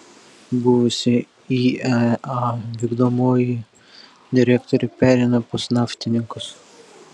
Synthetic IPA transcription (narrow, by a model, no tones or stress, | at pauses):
bʊʋʊsʲɪ | iɛɑʋʲiːɡd̪omoːjɪ | d̪ʲɪɾʲækt̪ɔɾʲɪpʲæːɾʲɛɪnɐpʊsnɑːfʲt̪ʲɪnʲɪŋkʊs